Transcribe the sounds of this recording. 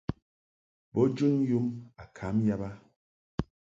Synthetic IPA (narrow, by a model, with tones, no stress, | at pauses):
bɔ˦d͡ʒu˦nju˦ma˨kʰa˨˦mja˦ba˦